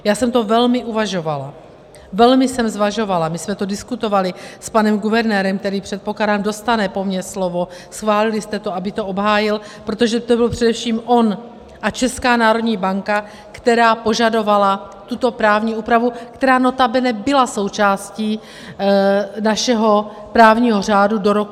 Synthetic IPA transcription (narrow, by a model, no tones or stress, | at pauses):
jaːsɛmt̪o̞vɛlmɪʔuvaʒo̞vala̰ | vɛlmɪsɛmzvaʒo̞valamɪsmɛt̪o̞dɪskut̪o̞valɪspanɛmɡuvɛɾnɛːɾɛmk̚t̪ɛɾiːpr̥ɛt̪̚po̞kladaːmdo̞st̪anɛpo̞mɲɛslo̞vo̞sxvaːlɪlɪst̪ɛt̪oabɪt̪oobɦaːjɪl | pɾo̞t̪oʒɛt̪obɪlpr̥ɛdɛfʃiːmʔo̞n | ʔat͡ʃɛskaːnaːɾo̞dɲiːbaŋka | kt̪ɛɾaːpo̞ʒado̞vala | t̪ut̪o̞pɾaːvɲiːʔuːpɾavukt̪ɛɾaːno̞t̪abɛnɛbɪlaso̞wt͡ʃaːsciː | naʃɛɦo̞ | pɾaːvɲiːɦo̞r̝aːdudo̞ɾok